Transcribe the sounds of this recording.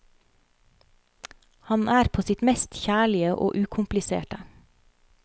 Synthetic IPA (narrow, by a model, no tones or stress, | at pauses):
hɑnʔæːɾpʰoːsɪt̪mɛst̪çæːɭɪəʔo̰ːʔʉːkʰʊmplɪsḛːʈə